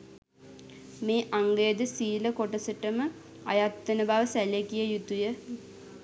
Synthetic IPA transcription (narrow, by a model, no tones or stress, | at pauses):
meːʔaŋɡəjəd̪əsiːləkoʈəsəʈəmə | ajat̪ːənəbaʋəsælekijəjut̪ujə